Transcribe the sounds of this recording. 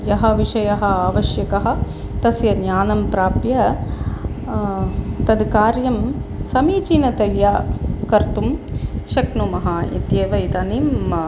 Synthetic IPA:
jɐɦɐ̆ʋiʂɐjɐɦɐ̆aːʋɐʃjɐkɐɦɐ̆ | t̪ɐsjɐnjaːnɐmpɾaːpjɐ | t̪ɐd̪kaːɾjɐmsɐmiːt͡ʃinɐt̪ɐɾjaːkɐɾt̪umʃɐknumɐɦaḭt̪jeːʋɐit̪ɐːniːmːɐ

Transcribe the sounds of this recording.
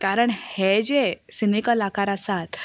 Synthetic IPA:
kaɾəɳhed͡ʑesinikəlakʰaɾasat̪

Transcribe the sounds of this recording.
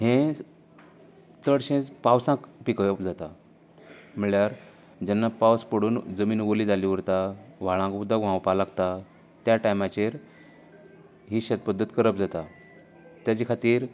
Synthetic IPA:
ɦẽ | t͡səɽɕẽt͡spawsãkpikəjəpd͡zat̪a | m̤iɭjaɾ | d͡ʑɛnːapawspəɽuːnd͡zəmiːnʋolid͡zaliʋəɾt̪aʋ̤aɭãkbud̪ʱaʋãwpalaɡt̪a | t̪jaʈajmat͡ɕeɾ | ɦiːɕat̪̚pəd̪ʱːət̪kəɾəpd͡zat̪a | t̪jat͡ɕikʰat̪iːɾ

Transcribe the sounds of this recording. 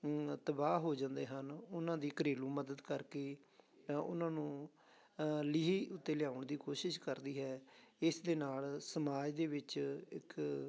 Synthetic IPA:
t̪əbaːɦoːd͡ʒãːnd̪eːɦənʊnãːd̪iːkəɾeːlũːməd̪əd̪kəɾkeː | ʊ̰nãːnũː | lɪɦiːʊt̪ːeːlɪjaːʊɳd̪iːkoːʃɪʃkəɾd̪iːɦɛːɪsd̪eːnaːlsəmaːd͡ʒd̪eːʋɪt͡ʃɪk

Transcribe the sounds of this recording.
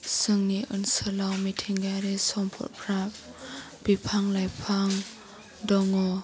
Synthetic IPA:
sɯŋniʔɯ̰nsəlawmitʰiŋɡaɾisɔmpʰɔ̰t̚pʰɾap̚ | b̥ipʰaŋlajpʰaŋ | dɔŋɔ

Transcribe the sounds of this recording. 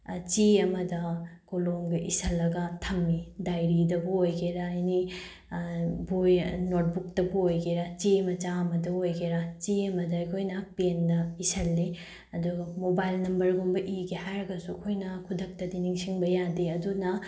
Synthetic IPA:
t͡ʃiɐmɐdɐkolomɡiʔisɐlːɐɡɐtʰɐmːidajɾidɐbuojɡeɾɐːjni | bujnot̚buk̚tɐbuojɡeɾɐt͡ʃiɐmɐt͡ʃaɐmɐdɐojɡeɾɐt͡ʃiɐmɐdɐːjkʰojnɐpendɐisɐlːi | ɐduɡɐmobajlnɐmbɐɾɡombɐʔiɡihajɾɐɡɐsuɐkʰojnɐkʰudʱɐk̚tɐdiniŋsiŋbɐjadiɐdunɐ

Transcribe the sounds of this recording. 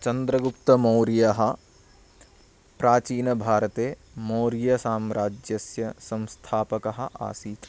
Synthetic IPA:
t͡ʃɐnd̪ɾɐɡupt̪ɐmoːɾijɐɦɐ̆ | pɾaːt͡ʃiːnɐbʱaːɾɐt̪eː | moːɾijɐsaːmɾaːd͡ʒjɐsjɐsɐ̃mst̪ʰaːpɐkɐɦɐ̆ʔa̰ːsiː

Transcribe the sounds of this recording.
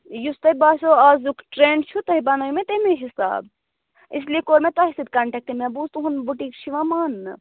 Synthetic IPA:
just̪ɐbaːsoaːzukʈɾeːɳɖt͡ʃʰut̪ɐɦibɐnɐjmẽt̪ɐɦmeɦisa̰ːb̚ | isliekoːɾmẽt̪ɐɦisid̪̚kɐɳʈɐk̚ʈ̪imebuːst̪uɦunbuʈiːkʃʰiʋamaːnːɨ

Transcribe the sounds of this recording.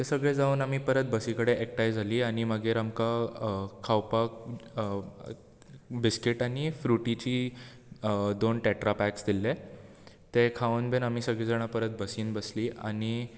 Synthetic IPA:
t̪esəɡɭed͡zaunam̤iːpəɾət̪̚bəsikəɽeʔek̚ʈajd͡zʱaliːaɽ̃iməɡeɾamkakʰawpak | biskiʈaɽ̃ifɾuʈit͡ɕiː | d̪onʈɛʈɾapæksd̪ilːe | t̪ekʰaənbenam̤iːsəɡɭid͡zaɽ̃apəɾət̪̚bəsiːnbəsliːʔa̰ñi

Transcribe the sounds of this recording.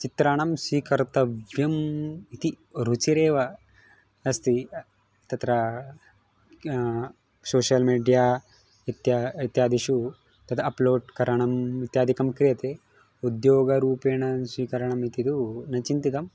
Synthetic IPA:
t͡ʃit̪ɾaːɳɐmsʋiːkɐɾt̪ɐʋjɐmit̪i | ɾut͡ʃiɾeːʋɐ | ɐst̪i | t̪ɐt̪ɾɐ | soːʃɐlmiːɖijaː | it̪jait̪jaːd̪ʱiʃu | t̪ɐt̪ʰɐɐploːɖkɐɾɐɳɐmʋit̪jaːd̪ʱikɐmkɾijɐt̪e | ud̪joːɡɐɾuːpeːɳɐsiːkɐɾɐɳɐmit̪id̪unɐt͡ʃint̪it̪ɐm

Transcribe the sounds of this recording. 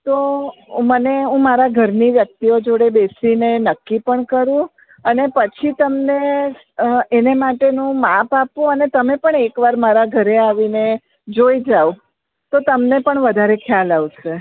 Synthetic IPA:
t̪oməneũmaɾaɡʱəɾniʋjək̚t̪iod͡ʒoɽebesinenəkːipəɳkəɾũ | ənepət͡ʃʰit̪əmne | enemaʈenũmapapũənet̪əmepəɳekʋaɾmaɾaɡʱəɾeaʋine | d͡ʒoid͡ʒau | t̪ot̪əmnepəɳʋəd̪ʱaɾekʰjalaʋt͡ʃʰe

